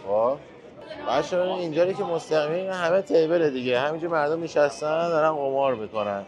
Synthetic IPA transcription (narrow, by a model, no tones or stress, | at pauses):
xo | b̥æːt̪ʃoinind͡ʒɒːɾicʰemost̪æɣiminɦæme̞t̪ʰejbeɾed̪iɟeɦæmind͡ʒuɾmæɾd̪o̞mːiʃæst̪ænd̪ɒɾænɣomɒːɾmiːko̞næn